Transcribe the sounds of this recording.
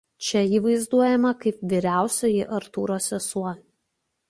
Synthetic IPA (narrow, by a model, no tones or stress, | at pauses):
t͡ʃʲɛiːʋɐɪzd̪uɔjɛmɐkɐɪpʋʲiɾʲæˑʊsʲojɪʔɐɾt̪uːɾoːsʲɛsuɔ